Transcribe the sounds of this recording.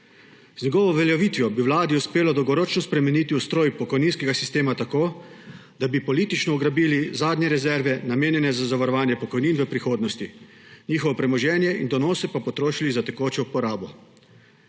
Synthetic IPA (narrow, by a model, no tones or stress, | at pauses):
znɛɡɔːʋɔʋɛljɛʋiːt̪ʋjɔbiwlaːd̪iuspeːlɔd̪ɔwɡɔɾoːt͡ʃnɔspɾɛmɛnit̪iust̪ɾoːjpɔkɔjninskɛɡasi̥st̪eːmat̪akoːd̪abipɔlit̪it͡ʃnɔɔɡɾabiːlizaːd̪nɲɛɾɛzɛɾʋɛnameːnjɛnɛzazaʋaɾɔʋaːnjɛpɔkɔjniːnʋəpɾixoːd̪nɔst̪i | ɲiːxɔʋɔpɾɛmɔʒɛːnjɛind̪ɔnɔːsɛpapɔt̪ɾoːʃilizat̪ɛkoːt͡ʃɛupɔɾaːbɔ